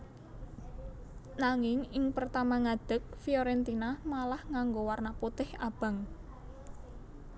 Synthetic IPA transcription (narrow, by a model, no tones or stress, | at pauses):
naŋɪŋɪŋpərt̪amaŋad̪̥ə̤k̚fioɾɛnt̪inamalahŋaŋɡowarnaput̪ɪhab̥a̤ŋ